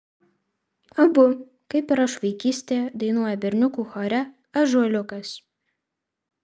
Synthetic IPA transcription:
ɐbʊ | kɐɪpɪɾɐʃʋɐɪkʲiːsʲt̪ʲeːd̪ɐɪnuɔjɛbʲɛɾʲnʲʊkuːxɔːɾʲɛ | ɐʒuɔlʲʊkɐs

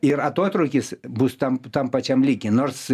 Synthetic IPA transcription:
ɪɾɐt̪oːt̪ɾɐʊkʲɪsbust̪ɐmt̪ɐmpɐt͡ʃʲɛmlʲiːkʲɪnoːrs

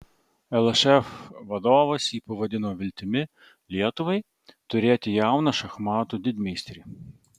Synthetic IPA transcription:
ɛlˠɐʃɛfʋɐd̪ɔʋɐsʲipɔʋɔd̪ʲɪnɔʋʲɪlʲt̪ɪmʲɪ | lʲiɛt̪ʊʋɛj | t̪ʊɾʲɛt̪ʲijawnɐʃɐxmɑt̪ʊd̪ʲɪd̪ʲmʲisʲt̪ɾʲi

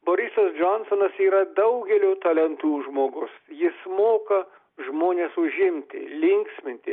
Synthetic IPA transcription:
boːɾʲɪsɐsd͡ʒɔnsonɐsiːɾɐd̪ɐʊɡʲɛlʲut̪ɐlʲɛnt̪uːʒmoːɡʊsjɪsmoːkɐ | ʒmoːnʲeːsʊʒʲɪmʲt̪ʲɪ̰lʲɪŋʲksʲmʲɪnʲt̪ʲɪ

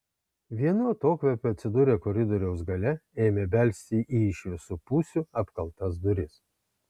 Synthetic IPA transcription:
ʋʲiɛnuɐt̪oːkʋʲɛpʲʊɐt̪ʲsʲɪd̪uːɾʲeːkɔɾʲɪd̪ɔɾʲɛʊs̬ɡɐlʲɛeːmʲeːbʲɛlʲsʲt̪ʲiʔiːɪʃʲlʲɪsʊpuːsʲʊɐpkɐlˠt̪ɐs̬d̪ʊɾʲɪs

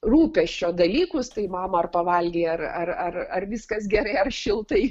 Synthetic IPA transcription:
ruːpʲɛʃʲt͡ʃʲoːd̪ɐlʲiːkʊst̪ɐɪmɑːmɐɐrpɐʋɐlʲɡʲiːɐrɐrɐrɐrʋʲɪskɐsɡʲɛɾɐɪɐrʃʲɪlˠt̪ɐɪ

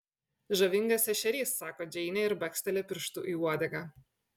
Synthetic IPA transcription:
ʒɐʋʲɪŋɡɐsɛʃʲɛɾʲiːsːɑːkoːd͡ʒʲɛɪnʲɛɪɾbɐkʲsʲt̪ʲɛlʲɛpʲɪɾʃt̪uʔiːuɔd̪ʲɛɡɑː

